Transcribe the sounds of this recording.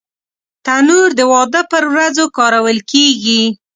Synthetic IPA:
t̪anuɾd̪əwɑd̪əpəɾwɾazokɑɾawəlkeɡi

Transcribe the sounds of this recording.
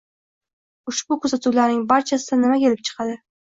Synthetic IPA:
ʊʃbʊkʰɵzat̪ʰuwlaɾnɪŋbaɾt͡ʃʰasɪd̪anɪmakʲʰe̞lɪp̚t͡ʃʰɨ̥qʰɑd̪ɪ

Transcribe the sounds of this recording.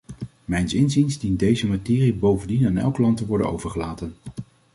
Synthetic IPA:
mɛjnsɪnzinzdint̚dejzəmatɪːribowvəndinaːnɛ̰lˠkəlɑntəʋɔɹdəno̰wvəɹχəlaːtən

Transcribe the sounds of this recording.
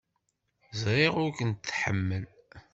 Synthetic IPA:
zɾeʁʊɾkənt̪ːħə̰mːəl

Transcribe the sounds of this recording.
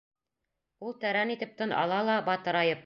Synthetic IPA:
ulˠt̪æɾænit̪ɘ̆p̚t̪ɤnɑ̰lˠɑlˠɑbɑt̪ɤ̆ɾɑjɤp̚

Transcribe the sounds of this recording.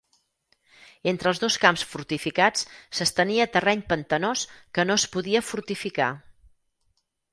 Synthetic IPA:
ent̪ɾəlˠzðoskamsfuɾt̪ifikat͡ssəst̪əniət̪ərɛɲpənt̪ənoskənoəspuðiəfuɾt̪ifika̰

